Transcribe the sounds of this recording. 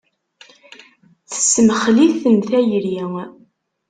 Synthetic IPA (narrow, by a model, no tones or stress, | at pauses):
θə̥sməχliθənθæjɾi